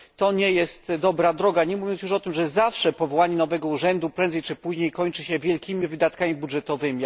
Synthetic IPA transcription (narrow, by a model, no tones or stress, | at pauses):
t̪ɔɲɛjɛst̪d̪ɔbɾad̪ɾɔɡaɲɛmuvʲjɔnsjuʂɔt̪ɘmʐɛzafʂɛpɔvɔwaɲɛnɔvɛɡɔuʐɛnd̪upɾɛ̃nd̪zɛjt͡ʂɘpuʑɲejkɔɲt͡ʂɘɕɛvʲjɛlkʲimʲivɘd̪at̪kamʲibudʐɛt̪ɔvɘmʲi